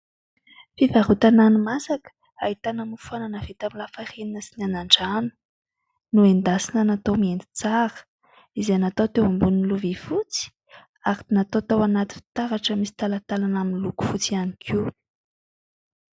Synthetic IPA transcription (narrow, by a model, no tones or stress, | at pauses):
fivaɾut̪ananimasakə̥ | aɦit̪anamufananavet̪amilafareninəsinanaɳɖ͡ʐanu̥ | nuend̪asinənat̪omiend̪i̥t͡saɾə̥ | izenat̪ot̪ewambuninluvifut͡si̥ | aɾinat̪ot̪owanat̪i̥t̪aɾaʈ͡ʂəmisi̥t̪alat̪alanaminiluku̥fut͡sianikʰi